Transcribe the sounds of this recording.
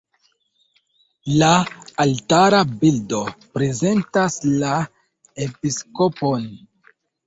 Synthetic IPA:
laːltaɾabildo̞pɾe̞ze̞ntasla | episko̞pon

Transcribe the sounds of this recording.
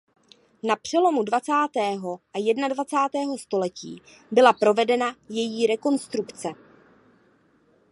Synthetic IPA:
napr̝̥ɛlo̞mudvat͡saːt̪ɛːɦo̞ʔajɛdnadvat͡saːt̪ɛːɦo̞st̪o̞lɛcḭː | bɪlapɾo̞vɛdɛnajɛjiːɾɛko̞nst̪ɾukt͡sɛ

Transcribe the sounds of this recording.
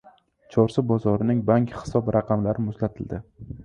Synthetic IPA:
t͡ʃʰɒɾsɪbɒzɒɾɪnɪŋbaŋkʲhɪ̥sɒbɾɑqʰɑmlaɾɪmʊslat̪ʰɪld̪ɪ

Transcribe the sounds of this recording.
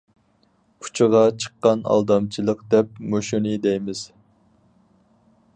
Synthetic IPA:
kʰu̥t͡ʃʰɨʁɑt͡ʃʰə̥qːɑnɑ̰lˠd̪ɑmt͡ʃʰilˠəqd̪ɛp̚moʃunɨd̪ɛjmɪz̥

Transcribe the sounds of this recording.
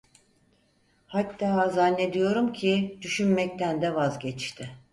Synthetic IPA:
hat̪ːaːzanːe̞d̪ijo̞ɾumcʰid̪̥yʃynmɛc̚t̪ʰænd̪ɛvazɟɛt͡ʃt̪ʰɪ

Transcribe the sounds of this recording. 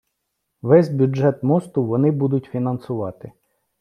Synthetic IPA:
ʋɛzʲbʲjʊʒɛt̪mɔst̪ʊʋɔnɪbud̪ʊtʲfʲinɐnsʊʋɑt̪ɪ

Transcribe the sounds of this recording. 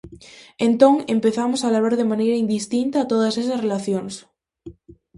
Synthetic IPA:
ẽnt̪õŋempeθamosalaβaɾðemanejɾaind̪ist̪int̪aːt̪oð̞asesɐsrelaθjoŋs

